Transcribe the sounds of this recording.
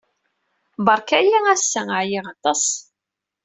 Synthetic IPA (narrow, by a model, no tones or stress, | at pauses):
bɑɾˤkæjiæsːæaʕjiʁɑt̪ˤɑs